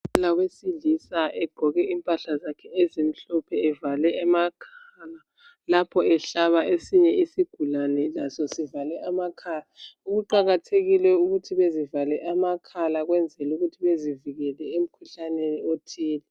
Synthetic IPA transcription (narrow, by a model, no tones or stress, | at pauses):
lawesiɮisaʔɛɡ͡ǃ̥ʱɔɣɛʔimpʼaɬazakʰɛezim̩ɬɔpʰɛːvalɛamakʰaːla | lapʰɔɛɬaβaʔesiɲɛisiɡ̥ʱulanɛlasɔsivalɛʔamakʰalauɣuǃaɣatʰeɣilɛuɣutʰiβezivalɛʔamakʰalaɣwɛnd͡zʱɛluɣutʰiβeziviɣɛlɛem̩kʰuɬaneniotʰiːlɛ